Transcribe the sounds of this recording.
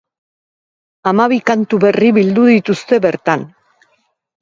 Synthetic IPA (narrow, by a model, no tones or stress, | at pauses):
amaβ̞ikant̪uβe̞riβild̪uðit̪ust̪e̞βe̞ɾt̪an